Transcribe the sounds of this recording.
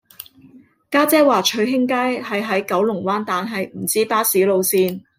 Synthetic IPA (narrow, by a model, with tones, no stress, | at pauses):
kaː˥t͡sɛː˥waː˨t͡ʃʰɵ˨˧ɥɦɪ˥ŋkaː˥jhɐ˨jɦɐ˨˥jkɐ˨˥wlʊ˨˩ŋwaː˥nt̪aː˨nɦɐ˨jm̩˨˩t͡siː˥paː˥siː˨˥lo˨˧wsiː˧n